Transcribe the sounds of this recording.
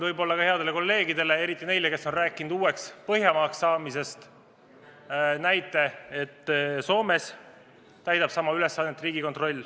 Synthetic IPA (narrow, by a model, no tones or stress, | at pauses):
vɤjbo̞lːɑkɑhe̞ɑd̪e̞le̞ko̞lːe̞ːɡid̪e̞le̞e̞ɾit̪ːˑine̞jle̞ke̞sːo̞nræːkːˑinud̪uːe̞kspɤɦjɑmɑːksːɑːmise̞st̪ | næjt̪ːˑe̞et̪ːso̞ːme̞s | t̪æjt̪ɑb̥sɑmɑyle̞sːɑːd̪net̪ːˑriːɡiko̞t̪ro̞lʲː